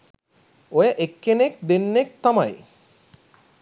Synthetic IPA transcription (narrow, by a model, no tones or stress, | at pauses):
ojaʔekːenek̚d̪enːek̚t̪amaj